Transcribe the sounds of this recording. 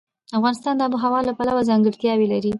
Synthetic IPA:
afɣɑnɪst̪ɑnd̪əabəɦawɑlapalawazɑŋɡəɽt̪jɑwelaɾi

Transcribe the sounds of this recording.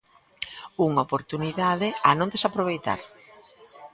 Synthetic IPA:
uŋaopoɾt̪uniðaðɪanõŋd̪esapɾoβ̞ejt̪a̰ɾ

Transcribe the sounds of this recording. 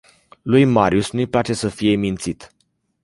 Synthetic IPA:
lujmaɾjusnujplat͡ʃe̞səfije̞mint̪sit̪

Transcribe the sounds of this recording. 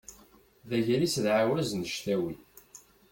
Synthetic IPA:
ðæʝælisðʕawæznəʃθæwi

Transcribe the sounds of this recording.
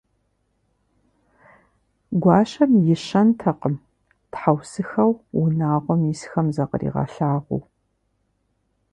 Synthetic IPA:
ɡʷɑːʃɐmjɪɕɐntʰɐqəm | tħawsɨxɐwwʊnaːʁʷɔmisxɐmzɐqə̰rḭːʁɑ̰ɬaːʁʷṵw

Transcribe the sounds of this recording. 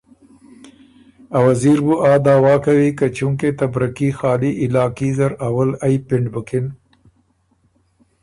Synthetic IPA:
awaziɾbuʔɑːd̪ɑːwɑːkawikat͡ʃuŋket̪abɾikixɑːliʔɪlɑːkizaɾawalajpɪɳɖbəkɪn

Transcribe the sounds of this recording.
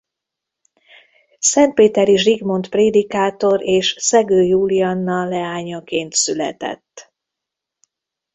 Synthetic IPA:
sɛnt̪̚peːt̪ɛɾiʒriɡmo̞nt̪preːd̪ikaːt̪o̞ɾeːʃsɛɡøːjuːlijɒnːɒlɛaːɲɒkeːnt̪sylɛ̰t̪ɛ̰t̪ː

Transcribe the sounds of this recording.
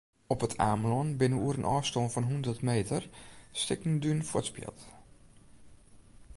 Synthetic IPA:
ɔpətʰa̰ːmlɔnbɪnəuəɾənʔɔːfstoːnfɔnɦundərtmeːtərstɪknndynfwʊtspjɪ̰lˠt

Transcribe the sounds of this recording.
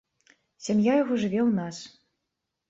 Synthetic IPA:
sʲamjajaɣɔʐɨvʲɛwnas

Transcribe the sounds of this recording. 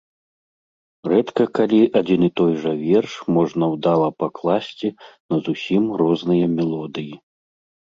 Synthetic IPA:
rɛt̪kɐkalʲiʔad͡zʲinit̪ɔjʐɐvʲɛrʂmɔʐnɐwd̪alˠɐpaklˠasʲt͡sʲinɐzusʲimrɔznɨjɐmʲɛlˠɔd̪ɨji

